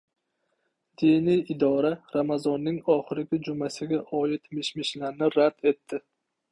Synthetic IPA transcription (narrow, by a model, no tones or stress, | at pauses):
d̪̥inijɪd̪ɒɾaɾamazɒnːɪŋɒχɪɾɪɡʲɪd͡ʒʊmasɪɡʲaʔɒjɪt̪mɪʃmɪʃlaɾnɪɾad̪e̞t̪ʰːɪ